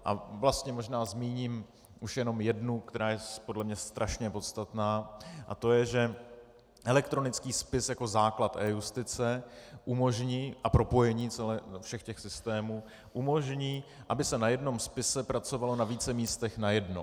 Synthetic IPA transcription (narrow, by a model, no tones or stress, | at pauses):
ʔa̰vlast̪ɲɛmo̞ʒnaːzmiːɲim | ʔuʃjɛno̞mjɛdnuk̚t̪ɛɾaːjɛpo̞dlɛmɲɛst̪ɾʔaʃɲɛpo̞t̪st̪at̪naːʔa̰t̪o̞jɛʒɛ | ʔɛlɛkt̪ɾo̞nɪt͡skiːspɪsjako̞zaːklat̪ʔɛːjust̪ɪt͡sɛʔumo̞ʒɲiːʔapɾo̞po̞jɛɲiːt͡sɛlɛːfʃɛxcɛxsɪst̪ɛːmuː | ʔumo̞ʒɲiːʔabɪsɛnajɛdno̞mspɪsɛpɾat͡so̞valo̞naviːt͡sɛmiːst̪ɛxnajɛdno̰